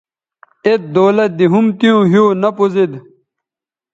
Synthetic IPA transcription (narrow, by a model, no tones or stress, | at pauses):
et̪̚d̪oːlɐt̪̚d̪iɦumt̪ijũɦjoːnɐpuzid̪